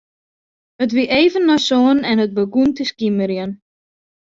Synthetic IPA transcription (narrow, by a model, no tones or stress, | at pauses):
ət̬ʋiʔejvənːɔsoːənɛnət̚bəɡuntəskiməɾjən